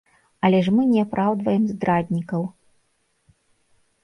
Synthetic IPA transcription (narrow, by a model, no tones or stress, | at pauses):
ɐlʲɛʂmɨnʲɛapɾʔawd̪vɐjɛmzd̪ɾad̪ʲnʲikɐw